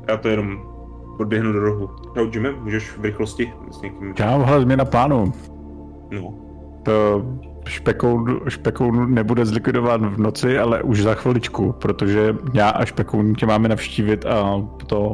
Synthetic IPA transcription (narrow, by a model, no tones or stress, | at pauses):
jaːt̪ojɛnom | ʔod̚bjɛɦnudoɾoɦu | dawd͡ʒɪmɛmuːʒɛʃvɾɪxloscɪ | sɲɛkimkawɦalɛzmɲɛnaplaːnu | no | t̪ | ʃpɛkownʃpɛkownunɛbudɛzlɪkvɪdovanvnot͡sɪalɛ̰ʔuʒzaxʋɪlɪt͡ʃkupɾot̪oʒɛɲaːʔaʃpɛkownucɛmaːmɛnafʃciːvɪt̪apot̪o